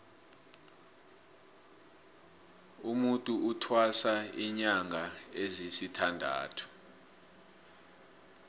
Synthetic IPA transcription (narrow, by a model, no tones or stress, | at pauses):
umutʼuʔutʰwasaiɲaŋʱaezisitʰandʱa̰ːtʰu̥